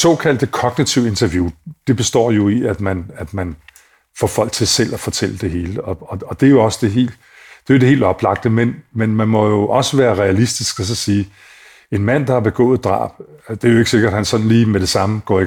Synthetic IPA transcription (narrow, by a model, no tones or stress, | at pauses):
sɔ̰̽ːkʰæl̰d̥kʰɒ̽ɡ̥nit͡sʰiʊ̰e̝nt͡sʰɐʋjud̥e̝b̥e̝sd̥ɒ̰ːjo̝iæd̥mænæd̥mæn | fɒfɒ̽l̰ɡ̥̚t͡sʰe̝sel̰æfɒ̽t͡sʰel̰əd̥e̝ɦe̝ːləɒ̽ɒ̽ɒ̽d̥e̝æjo̝ɒ̽səd̥e̝ɦe̝̰ːld̥ | d̥e̝jo̝d̥e̝e̝̰ːld̥ɒ̽b̥lɑ̈ɡ̥̚d̥əmenmenmænmɒ̽jo̝ʔɒ̽səʋæːɐʁɛælisd̥isɡ̥ɒs̬ɒ̽siː | e̝nmæn̰d̥ɑ̈hɑ̈b̥e̝ɡ̥ɔ̰̽ːð̩ˠd̥ʁɑ̰̈ːb̥d̥e̝æɐjo̝e̝ɡ̥əse̝ɡ̥ɐd̥hænsɒ̽nn̩liːmeɾ̥e̝sɑ̈məɡ̥ɒ̰ːi